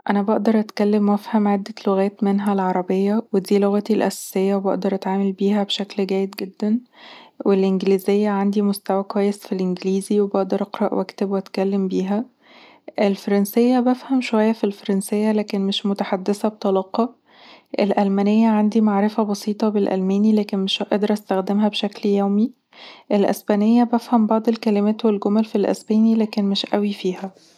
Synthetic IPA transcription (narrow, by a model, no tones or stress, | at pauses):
ʔænæbɑʔd̪ɑɾˤʔæt̪kælːemːæfhæmʕed̪ːæloɣæːt̪menɦælʕɑɾˤɑbejːæwed̪iːloɣæt̪ilʔæ̰sæ̥sejːæwebɑ̰ʔd̪ɑɾˤʔæt̪ʕaːmælbiːɦæbeʃæklɡæːjːed̪ɡed̪ːænwelʔenɡliːzejːæʕand̪imost̪æwækowæjːesfilʔenɡliːziwebɑʔd̪ɑɾˤʔɑqɾˤɑʔwʔækt̪ebwæt̪kælːembiːɦæ | ʔelfɑɾˤɑnsejːæbæfhæmʃowæjːæfilfɑɾˤɑnsejːælæːkenmeʃmot̪aħad̪ːesæbet̪ˤɑlɑːqɑ | ʔelʔælmænejːæʕand̪imaʕɾefæbɑsiːt̪ˤɑbelʔæ̰lmæːnilæːkenmeʃʔɑd̪ɑɾˤʔæst̪æxd̪emɦæbʃækljæwmi | ʔelʔḛsbæːnejːæbæfhæmbɑʕd̪ˤelkælemæːt̪welɡomælfilʔḛsbæːnilæːkenmeʃʔæwifiːhæ